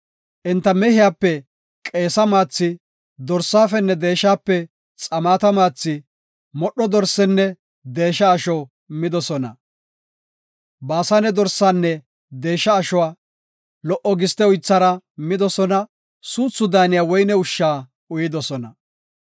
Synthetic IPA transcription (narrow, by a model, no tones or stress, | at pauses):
ʔɪnt̪ːɐmɛhɪjaːpːɛ | kʼe̞ːsɐmaːt͡sːɪ | d̪ɔɾsːaːfɛnːɛd̪e̞ːʃːaːpːɛ | t͡sʼɐmaːt̪ɐmaːt͡sːɪ | mɔɗːɔd̪ɔɾsɛnːɛ | d̪e̞ːʃɐːʃɔ | mɪd̪ɔsɔnɐ̰ | baːsanɛd̪ɔɾsaːnːɛ | d̪e̞ːʃːɐːʃʊwaː | lɔʔɔɡɪst̪ɛʊjt͡sːɐɾɐmɪd̪ɔsɔnɐ | suːt͡sːʊd̪aːnɪjaːwɔjnɛʊʃːaː | ʊjɪd̪ɔsɔnɐ̰